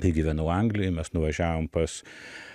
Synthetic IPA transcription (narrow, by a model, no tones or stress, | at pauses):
t̪ɐɪɡʲiːʋʲɛnɐʊɐŋɡlʲɪjɪmʲɛsnʊʋɐʒʲæːʋoːmpɐs